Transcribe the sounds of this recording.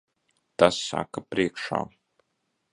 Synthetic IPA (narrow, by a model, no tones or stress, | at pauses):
t̪asːa̰kapɾiɛkʃa̰ː